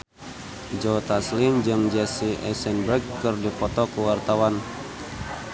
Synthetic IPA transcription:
d͡ʒɔt̪aslimd͡ʒɨŋd͡ʒɛsiʔɛsɛnbɾɛkːɨrdipɔt̪ɔkuwart̪awan

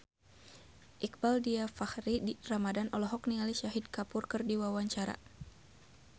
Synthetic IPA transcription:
ʔik̚baldiafahriramadanɔlɔɦɔkniŋaliʃaɦid̚kapʊrkɨrdiwawaɲt͡ʃaɾa̰

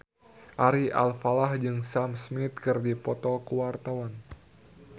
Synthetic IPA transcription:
ʔaɾiʔa̰lfalahd͡ʒɨŋsamsmit̪̚kɨrdipɔt̪ɔkuwart̪awan

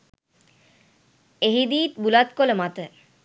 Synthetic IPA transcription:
eɦid̪iːt̪bulat̪̚koləmat̪ə

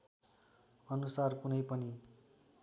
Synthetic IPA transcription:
ʌnusarkunʌjpʌni

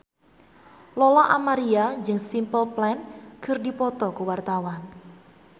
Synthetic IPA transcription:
lɔlaʔamaɾiad͡ʒɨŋsimpəlplɛnkʰərdipɔt̪ɔkuwart̪awan

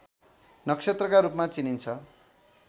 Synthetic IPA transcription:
nʌkset̪rʌkaɾupmat͡sinint͡sʰʌ

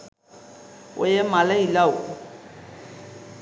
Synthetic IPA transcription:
ʊ̰jɛmalailaʊ

